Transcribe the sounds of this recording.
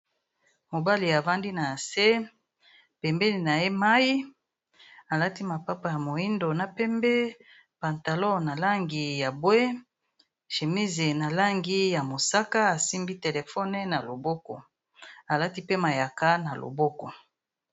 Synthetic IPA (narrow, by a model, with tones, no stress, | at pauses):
mo˨ba˦li˨a˨va˦ndi˦na˨se˦ | pɛ˨mbɛ˦ni˨na˨je˦ma˦ji˦ | a˨la˦ti˦ma˨pa˦pa˨ja˨mo˨i˦ndo˨na˨pɛ˦mbe˦ | pa˨nta˨lɔ˦na˨la˦ŋɡi˨ja˨bwe˦ | ʃe˨mi˦ze˨na˨la˦ŋɡi˦ja˨mo˨sa˦ka˦a˨si˦mbi˦te˨le˨fɔ˦nɛ˦na˨lo˨bɔ˦kɔ˨ | a˨la˦ti˦pe˦ma˨ja˨ka˦na˨lo̰˨bɔ˦kɔ˨